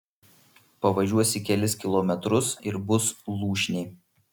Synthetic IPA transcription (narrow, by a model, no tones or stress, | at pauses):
pɐʋɐʒʲuɔsʲɪkʲɛlʲɪskʲɪlˠɔmʲɛt̪ɾʊsɪɾbʊslˠuːʃʲnʲɛɪ